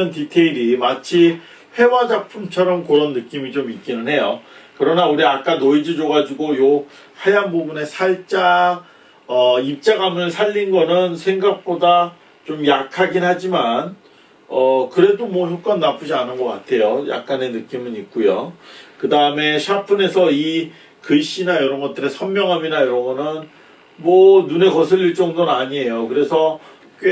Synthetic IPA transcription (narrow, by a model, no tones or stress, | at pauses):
ɯntitʰeiɾimat͡ɕʰi | he̞wad͡ʑapʰumt͡ɕʰʌɾʌmkɯɾʌnːɯk͈imit͡ɕomik̚k͈inɯnɦe̞jokɯɾʌnauɾiak͈anoid͡ʑɯd͡ʑoɡad͡ʑuɡojo | hajanbubune̞sʰaɭt͡ɕ͈a | ʌip̚t͡ɕ͈aɡamɯɭsʰaʎːinɡʌnɯnsʰe̞ŋɡak̚p͈oda | t͡ɕomjakʰaɡinhad͡ʑiman | ʌkɯɾe̞domwʌçjok͈ʌnːapʰud͡ʑianɯnɡʌk͈a̰tʰe̞joja̰k̚k͈ane̞nɯk͈imɯnik̚k͈ujo̰kɯdaɯme̞ɕʰapʰɯne̞sʰʌi | kɯɕ͈inajʌɾʌnɡʌt͈ɯɾe̞sʰʌmmjʌŋɦaminajʌɾʌŋɡʌnɯn | mwʌnune̞kʌsʰɯɭiɭt͡ɕ͈ʌŋdonaɲie̞jokɯɾe̞sʰʌ | k͈